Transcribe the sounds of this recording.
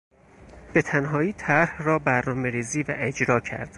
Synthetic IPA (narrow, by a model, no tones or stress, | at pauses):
b̥e̞t̪ʰænɦɒːiːt̪ʰæɾhrɒːbæɾnɒːme̞ɾiːziːvæ̰ʔe̞d͡ʒɾɒːcʰæ̰ɾd̪̥